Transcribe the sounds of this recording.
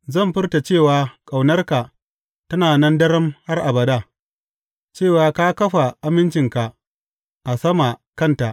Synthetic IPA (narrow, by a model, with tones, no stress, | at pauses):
zɐ˦˨mɸɪ˦rta˨t͡ʃeː˦˨waː˨kʼa˨wnɐ˦rka˨ | tɐ˦naː˨nɐ˦ndɐ˦ɾɐ˦mha˦rʔa˨bɐ˨ɗa˦˨ | t͡ʃeː˦˨waː˨kaː˦kɐ˦ɸa˨ʔa˦mɪ˦nt͡ʃɪ˨ŋka˨ʔ | ʔa˨sɐ˦ma˨kɐ˦˨nta˨ʔ